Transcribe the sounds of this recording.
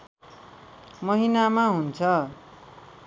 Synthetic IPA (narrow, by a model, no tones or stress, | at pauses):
mʌɦinamaɦunt͡sʰʌ